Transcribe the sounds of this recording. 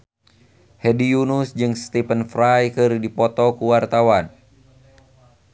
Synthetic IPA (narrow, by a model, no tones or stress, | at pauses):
hɛdijunusd͡ʒɨŋst̪ipənfɾajkɨrdipɔt̪ɔkuwart̪awan